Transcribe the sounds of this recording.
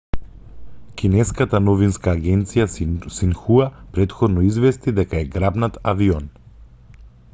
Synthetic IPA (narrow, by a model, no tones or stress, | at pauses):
kʲinɛskat̪anɔvinskaːɡɛnt̪sijasinxuapɾɛt̪xɔd̪nɔizvɛst̪id̪ɛkaɛɡɾabnat̪aviɔn